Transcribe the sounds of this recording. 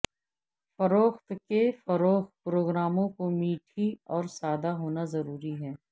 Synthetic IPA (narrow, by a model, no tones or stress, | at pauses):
fɐɾoːxt̪kefɐɾoːxt̪̚pɾoːɡɾaːmõkomiːʈʰiɔːɾsaːd̪aɦoːnazɐɾuːɾiɦɛː